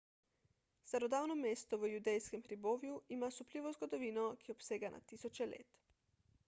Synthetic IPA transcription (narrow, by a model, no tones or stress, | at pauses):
st̪aɾɔd̪aːwnɔmeːst̪ɔʋəjud̪ɛjskɛmxɾiboːʋjuimasupliːʋɔzɡɔd̪ɔʋiːnɔkʰiɔpseːɡanʔa̰t̪iːsɔt͡ʃɛlḛːt̪